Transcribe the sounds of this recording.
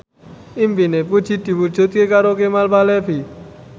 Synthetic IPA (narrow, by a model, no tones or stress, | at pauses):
impinepud̥ʒ̥i̤d̪̥i̤wud̥ʒ̥ṳt̪̚kekaɾokemalpalɛbi